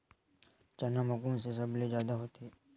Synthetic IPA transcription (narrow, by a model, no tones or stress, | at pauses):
t͡ʃɐnamɐkuːmsesɐblezjaːd̪aɦoːt̪ː